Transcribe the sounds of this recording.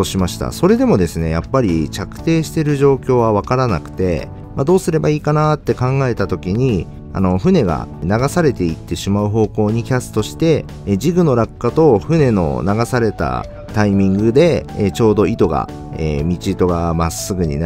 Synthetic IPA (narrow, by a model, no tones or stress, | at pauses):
oɕimaɕi̥t̪a̰so̞ɾe̞d̪e̞mo̞d̪e̞sɨne̞japːaɾʲit͡ɕakɯ̟̥t̪e̞ːɕi̥t̪e̞ɾɯ̟ʑo̞ːkʲo̞ːβaβakaɾanakɯ̟̥t̪e̞̰ | mad̪o̞ːsɨɾe̞baiːkanat̪ːe̞kãŋɡae̞t̪at̪o̞kʲiɲ̟i | a̰no̞ɸɯ̟ne̞ɡa̰naɡasaɾe̞t̪e̞it̪ːe̞ɕimaɯ̟ɦo̞ːko̞ːɲ̟ikʲasɨ̥t̪o̞ɕi̥t̪e̞ | d͡ʑiɡɯ̟no̞ɾakːat̪o̞ɸɯ̟ne̞no̞̰naɡasaɾe̞t̪a̰ | t̪aimʲĩŋɡɯ̟d̪e̞t͡ɕo̞ːd̪o̞it̪o̞ɡa̰ | ḛmʲit͡ɕit̪o̞ɡamasːɨɡɯ̟ɲ̟ḭn